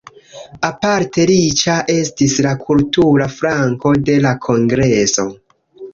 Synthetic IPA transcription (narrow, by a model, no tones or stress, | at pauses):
apaɾte̞ɾit͡ʃaʔe̞stislakʰultuɾafɾaŋko̞de̞lakʰo̞ŋɡɾe̞so̞